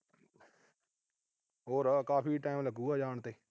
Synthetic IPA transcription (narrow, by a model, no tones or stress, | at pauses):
ɦoːɾkaːpʰiːʈaːɪmləɡuːaːd͡ʒaːɳt̪eː